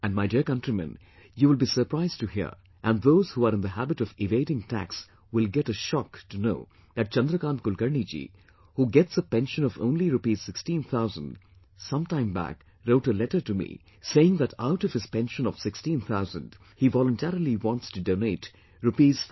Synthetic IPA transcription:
æ̃nɖmaɪdiəɹkʌ̃ntɹimɨ̰̃n | juwɪlˠbiːsə˞pɹ̥aɪz̥tɨhḭɹ | ʔæ̃nðoʊz̥huaɾɨ̃nðəɦæbɨɾɔvɪveɪɾɪ̃ŋtʰæ̰ks | wɪlɡɛɾəʃɑktunoʊ | ðæt̚t͡ʃʌ̃nd̪ɾəkãːnkʊlkəɹnid͡ʒḭ | huɡɛtsəpɛ̃nʃə̃nɔvõ̰ʊ̃nliɾupiːz̥sɪkstĩnθʰaʊzə̰̃nd | sʌ̃mtãɪ̃mbæ̰k | ɾoʊʈəlɛɾə˞tumḭ | seɪɪ̃ŋðæɾaʊɾʌv̥ɨz̥pɛ̃nʃə̃nɔv̥sɪkstĩnθʰaʊzə̃nd | hivɔlə̃ntʰɛɹil̩ˠiwɑ̃ntstɨdõʊneɪt | ɹupiːz̥

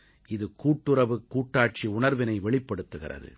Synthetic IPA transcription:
ʔɪðɯkuːʈːɯɾɐʋɯkːuːʈːaːʈ̚t͡ʃiʊɳɐɾʋɪnɐɪʋɛɭɪpːɐɽɯt̪ːɯɣɪ̰rɐ̰ðɯ̰

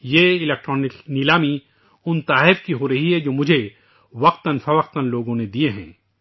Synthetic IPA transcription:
jeːɪlek̚ʈɾɔːnɪknilaːmi | ʊnt̪aːɦɪfkiɦoːɾɐɦiɦɛd͡ʒoːmʊd͡ʒʱe | ʋɐq̚t̪ɐnfʰɐʋɐq̚t̪ɐnloːɡõned̪ieɦɛ̰̃ː

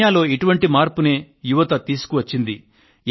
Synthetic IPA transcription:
jaːlo̞ːiʈuʋɐɳʈimaːɾpune̞ː | juʋɐt̪ɐt̪iːsu̥kuʋɐt͡ʃːind̪i

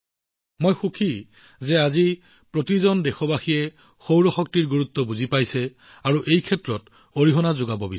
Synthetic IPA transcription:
mojxukʰi | zɛazi | pɹotizɔndɛxɔbaxijɛ | xowɹɔxɔk̚tiɹɡuɹutːɔbuzipajsɛ | aɹuʔejkʰɛtɹɔt | oɹiɦɔnazʊɡabɔbis

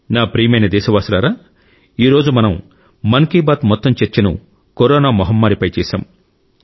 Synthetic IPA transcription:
naːpɾijmɐjnɐd̪ɛːʃɐʋaːsulaːɾaː | iːɾoːd͡ʒumɐnɐm | mɐŋkiːbaːt̪mɔt̪ːɐmt͡ʃeɾt͡ʃɐnṵ | koɾɔːnaːmɔɦɐmːaːɾipɐjt͡ʃɛːʃa̰ːm

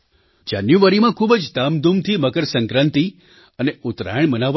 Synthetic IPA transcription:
d͡ʒa̰njuʋaɾimãkʰubəd͡ʒd̪amd̪umt̪ʰiməɡəɾsə̃ŋkɾə̃nt̪i | əneʊt̪ɾa̰jəɳmənaʋ

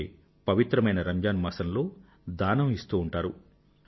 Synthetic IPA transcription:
pɐʋit̪ɾɐmɐjnɐɾɐɲd͡ʒaːnmɐsɐnlo̞ː | d̪aːnɐmist̪uːɳʈaːɾu

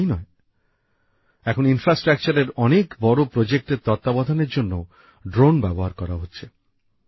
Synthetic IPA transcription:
inɔe | ɛkʰoninfɾasʈɾak̚t͡ɕaɾeɾɔnekbɔɾopɾod͡ʑek̚ʈeɾt̪ɔt̪ːabɔd̪ʱaneɾd͡ʑonːo | ɖɾonbɛboɦaɾkɔɾaɦotːɕʰe

